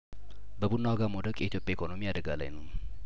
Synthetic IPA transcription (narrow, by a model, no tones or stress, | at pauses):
bəbunːawaɡamod̪əkʼjʔɛ̰ʔit̪ʰjo̞pʼjaikʰo̞no̞miad̪əɡala̰jnəw